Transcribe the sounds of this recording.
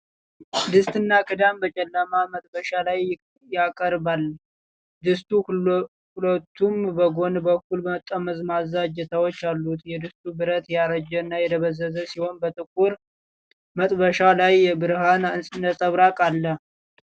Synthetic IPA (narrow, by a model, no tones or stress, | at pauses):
d̪ɨst̪ʼɨnːakʰɨd̪ambət͡ʃʼɛlːəmamət̪ʼbəʃalaj | jakʼəɾbalː | d̪ɨst̪ʼu | kʊlət̪ʰːumbəɡo̞nbəkːulbəmət̪ʼːəməzmazːad͡ʒɛt̪ʰawot͡ʃːalːut̪jɛd̪ɨst̪ʼubɨɾət̪jaɾəd͡ʒənːajɛd̪ʰəβəzːəzəsiho̞nbət̪ʼɨkʼːuɾ | mət̪ʼbəʃalajɛbɨɾɦanɨnsʼɨnəsʼəβɾakʼalːəh